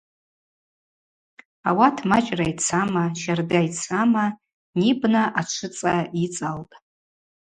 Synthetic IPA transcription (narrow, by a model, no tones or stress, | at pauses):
awatʰmat͡ʃʼrajt͡sʰamaʃardajt͡sʰama | nibnaʔat͡ʃʷʰɨt͡sʼait͡sʼaltʼ